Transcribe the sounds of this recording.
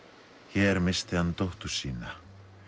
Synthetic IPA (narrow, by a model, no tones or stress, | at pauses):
çɛɛɾmɪst̪ɪanːt̪owht̪u̥siːna